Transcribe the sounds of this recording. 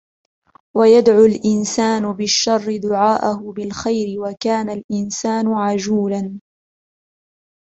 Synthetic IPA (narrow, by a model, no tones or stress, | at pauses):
wajad̪ʕʊlʔɪnsaːnʊbɪʃːɑrˤːɪd̪ʊʕaːʔahʊbɪlxajɾɪwakaːnalʔɪnsaːnʊʕad͡ʒuːlan